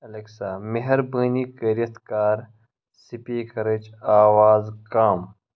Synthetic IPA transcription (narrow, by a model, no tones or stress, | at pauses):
ɐlɐksaːmeɦɐɾbəːniːkɐɾjɐt̪kaːɾ | sipeːkɐɾɐd͡ʑaːwaːzkaːm